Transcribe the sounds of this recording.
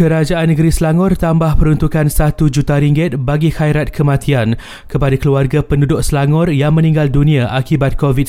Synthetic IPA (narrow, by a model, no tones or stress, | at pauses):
kəɾad͡ʒaʔanːəɡəɾislaŋɔrt̪ambahpəɾunt̪ukansat̪ud͡ʒut̪aɾiŋɡɪt̪̚baɡihajɾat̪̚kʰəmãt̪ʰian | kəpadakəluarɡapəndudʊʔslaŋɔrjaŋmə̃nĩŋɡaldunĩaʔakibat̪̚kovit̚